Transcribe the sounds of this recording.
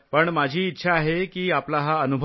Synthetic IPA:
pəɳmad͡ʑʱiːtːɕʰaːɦekiːaplaɦaənubʱ

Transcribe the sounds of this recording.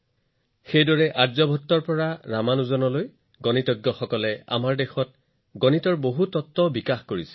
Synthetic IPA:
xejdɔɹɛʔaɹzɔbʱɔtːɔɹpɔɹaɹamanuzɔnɔloj | ɡɔnitɔɡjɔxɔkɔlɛa̰maɹdexɔt̚ | ɡɔnitɔɹboɦutɔtːɔbikaxkoɹisɛ̥

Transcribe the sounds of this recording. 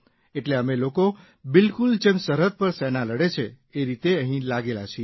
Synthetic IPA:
eʈleəmeloko | bɪlkuld͡ʒemsəɾət̪̚pəɾsɛnaləɽet͡ʃʰe | eɾit̪eəɦĩlaɡela̰t͡ʃʰe

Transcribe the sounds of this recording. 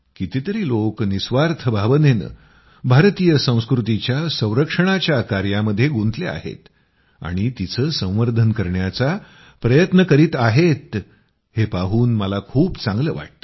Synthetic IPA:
kit̪it̪əɾiːloknisʋaɾt̪ʰəbʱaʋənen | bʱaɾt̪iːjəsə̃w̃skɾut̪it͡ɕjasə̃w̃ɾəkʂəɽ̃at͡ɕjakaɾjaməd̪ʱːjeɡunt̪lea̰ɦḛt̪ | a̰ɽ̃it̪it͡səːsə̃w̃ʋəɾd̪ʱənkəɾɳjat͡sa | pɾəjət̪nəkəɾiːt̪aɦet̪ | hepaɦuːnməlakʰuːpt͡sãŋɡlə̰ːʋa̰ʈ̚t̪ə̥

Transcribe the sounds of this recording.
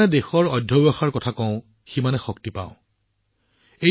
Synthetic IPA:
ɛdexɔɹɔjdʱːɔbɔxaɹkɔtʰakɔ̃ʊ̃ | ximanɛxɔktipã̰ʊ̃ | e

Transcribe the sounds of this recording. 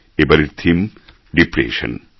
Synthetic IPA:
ebɐɾiɾt̪ʰim | ɖipɾḛːʃɐ̰n

